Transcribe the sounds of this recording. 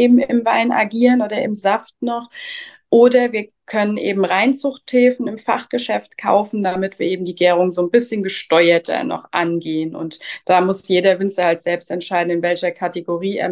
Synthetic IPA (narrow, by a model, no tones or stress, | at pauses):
eːbm̩ɪmvaɪnʔa̰ɡiːʁənʔoːdɐɪmzaftnɔχʔoːdɐviːɐ | kʰœnənʔḛːbm̩ʁaɪnt͡sʊxthɛːfn̩ɪmfa̰χɡ̥əʃɛftkʰa̰ʊfn̩damɪtv̥iːɐʔeːbm̩diːɡɛːʁʊŋzoːnbɪsçənɡəʃtɔʏɐtʰɐ̰nɔ̰χʔa̰nɡeːənʊ̰ntd̥aːmʊsjeːdɐvʏnt͡səhaltz̥ɛlpstɛntʃaɪdn̩ɪnvɛlçɐkʰateɡoʁiːḛːɐ